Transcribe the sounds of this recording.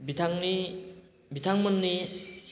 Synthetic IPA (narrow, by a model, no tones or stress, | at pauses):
bitʰaŋni | bit̪ʰaŋmənːi